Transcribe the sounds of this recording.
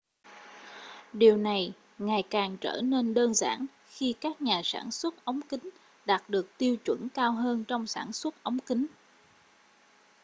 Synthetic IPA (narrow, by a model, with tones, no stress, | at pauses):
ɗi˨˩əwna˨˩j | ŋaː˨˩jkaː˨˩ŋt͡ɕə̰ː˧˩ne˧nɗəː˧nza̰ː˧˩n | xi˧kaː˦˥k̚ɲaː˨˩sa̰ː˧˩nswə˦˥t̚ʔə˨˦wŋ͡mkï˨˦ŋ̟ | ɗaː˨˩t̚ɗɨ˨˩ək̚t̪i˧əwt͡ɕwə˧˩nkaː˧wɦəː˧nt͡ɕɔ˧wŋ͡msa̰ː˧˩nswə˦˥t̚ʔə˨˦wŋ͡mki˨˦ŋ̟